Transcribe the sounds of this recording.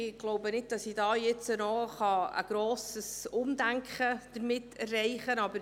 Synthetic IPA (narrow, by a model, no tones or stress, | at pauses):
ɪɡ̥loʊbənɪt̚d̥ɑsidɑːjɪt͡sənɔχɑə̰ɡ̥ɾoːsəsʊmdæŋkχəd̥əɾmɪtɛrːɛɪχənɑbəɾ